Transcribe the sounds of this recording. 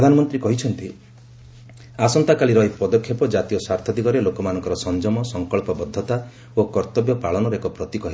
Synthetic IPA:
pɾɔd̪ʱanɔmɔnt̪ɾikɔɦit͡ʃʰɔnt̪i | asɔnt̪akaliɾɔɦipɔd̪ɔkʰːjɔpɔd͡ʒat̪ijɔsaɾt̪ʰɔd̪ikɔɾelokɔmanɔ̃ŋkɔɾɔsɔnd͡ʒɔmɔsɔŋkɔɭpɔbɔd̪ʱːɔt̪a | okɔɾt̪ɔbjɔpaɭɔnɔɾekɔpɾɔt̪ikɔɦi

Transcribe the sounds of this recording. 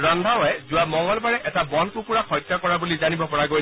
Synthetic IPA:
ɹand̪ʱawɔjzʊwamɔŋɡɔlbaɹɛʔɛtabɔnkukuɹakɔjtːjakɔɹabulizanibɔpɔɹaɡo

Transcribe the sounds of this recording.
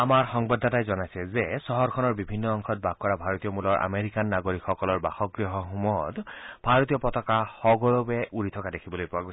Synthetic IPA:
amaɹxɔŋbadʱːatajzɔnajsɛzesɔɦɔɹkʰɔnɔɹbibʱinːɔɔŋkʰɔt̚bʱaɡ̚kɔɹabʱaɹɔt̪ijɔmulɔɹʔa̰meɹikanːaɡoɹikʰxɔkɔlɔɹba̰xɔk̚ɡɹiɦɔɦumɔtbʱaɹɔt̪ijɔpɔtɔkaxɔɡɔɹɔbɛʔuɹit̪ʰɔkadekʰibɔlojpʊaɡos

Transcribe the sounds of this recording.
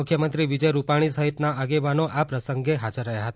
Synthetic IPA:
ukʰjəmənt̪ɾiʋid͡ʒəjɾupaɽ̃isəɦit̪naaɡeʋanoʔapɾəsəŋɡeɦad͡ʒəɾːəɦjaɦət̪a

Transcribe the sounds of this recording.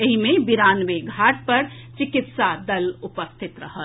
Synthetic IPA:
eɦimebiɾanʋeɡʱaʈ̚pəɾt͡ʃikit̪sad̪əlupəst̪ʰit̪ɾəɦəl

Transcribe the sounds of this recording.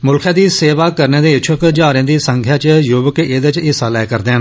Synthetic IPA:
mʊlkʰjãːd̪iːseːʋaːkəɾneːd̪eːɪt͡ʃʰʊkd͡ʒaːɾẽːd̪iːsəŋkʰjaːt͡ʃjʊbəkeːd̪et͡ʃɪsaːlɛːkəɾd̪eːn

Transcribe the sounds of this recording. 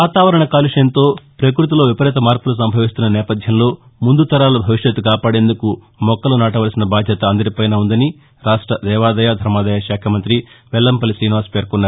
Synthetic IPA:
ʋaːt̪aːʋɐɾɐɳɐkaːliʂɐjɐnt̪o̞ːpɾɐk̬ɾut̪̬ulo̞ːʋipɐɾɛːt̪̬ɐmaːɾpulus̬ɐmbʱɐʋist̪unːɐnɛːpɐd̪ʱjɐmlo̞ː | mund̪ut̪ɐɾaːlɐbʱɐʋiʃjɐt̪ːukaːpaːɽe̞ːnd̪uku | mɔkːɐlunaːʈɐʋɐɾɐsinɐbaːd̪ʱjɐt̪ɐːnd̪ɐɾipɐjnaːund̪ɐni | ɾaːʂʈɾɐd̪ɛːʋaːd̪ɐjaːd̪ʱɐɾmaːd̪ɐjaːʃaːkʰɐmɐnt̪ɾiʋɛlːɐmpɐlisɾiːniʋaːspe̞ːɾkɔnːaːɾu

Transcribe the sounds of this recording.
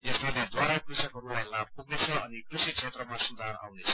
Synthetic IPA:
esbaled̪waɾakrisakɦʌɾulajlab̚puɡnet͡sʰʌʌnikrusisʰet̪rʌmasund̪ʱaɾa̰wnet͡sʰʌ̥

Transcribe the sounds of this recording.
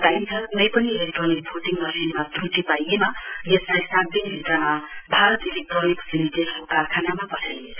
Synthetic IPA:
d̪ajnt͡sʰʌnʌjpʌnileʈrʌnik̚bʰʱoʈiŋmʌsʰenmat̪ruʈ̪ipajemajʌslajsat̪̚d̪inbʱit̪ramabʱaɾʌt̪iliʈroniksimit̪iɦʌkakʰanamapʌʈʰajnet͡sʰ

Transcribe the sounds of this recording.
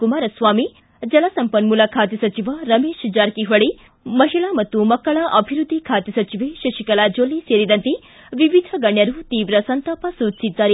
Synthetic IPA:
kumaːɾɐsʋaːmi | d͡ʒɐlasɐmpɐnmulaːkʰaːt̪jɐsɐt͡ʃiʋɐɾɐmeːʃd͡ʒaːɾkiɦɐɭi | mɐɦiɭamɐt̪ːumɐkːɐɭɐʔɐbʱiɾud̪ʱːikʰaːt̪jɐsɐt͡ʃiʋeʃɐʃikɐlaːd͡ʒoːliseːɾid̪ɐnt̪i | ʋiʋid̪ʱɐɡɐɳjɐɾut̪iːʋɾɐsɐnt̪aːpɐsuːt͡ʃsid̪ːaːɾe

